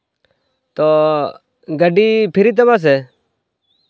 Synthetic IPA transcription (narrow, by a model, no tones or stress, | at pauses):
t̪oː | ɡəɖiːpʰɪɾiːt̪̬əmãs̬eː